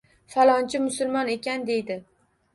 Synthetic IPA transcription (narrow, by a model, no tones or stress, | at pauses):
falˠɒnt͡ʃʰɪmʊsʊlˠmɒne̞kʲand̪e̞jd̪ɪ